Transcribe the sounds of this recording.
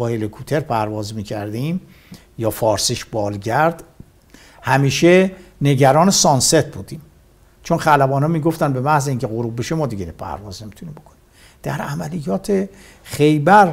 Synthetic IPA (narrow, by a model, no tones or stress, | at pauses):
ɒːhelekʰut̪ʰeɾpʰæɾvɒːzmiːcʰæɾd̪im | jɒːfɒːɾsiʃb̥ɒːlɟæɾd̪̥ | hæmiːʃene̞ɟæɾɒːnesɒnset̪̚ʰbuːd̪iːm | t͡ʃʰonχælæbɒːnɒmiːɡoft̪ænbe̞mæhzeiːŋcʰeɣoɾubbeʃemɒːd̪iɡenpʰæ̰ɾvɒːzne̞mit̪ʰuniːmbo̞kʰonni | d̪̥æɾæmælijɒːt̪ʰe | χe̞jbæɾ